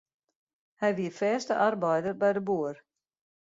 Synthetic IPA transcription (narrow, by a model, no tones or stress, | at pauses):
hɛjʋiəfɛːstəʔarbɛjdərbɛjdəbuːər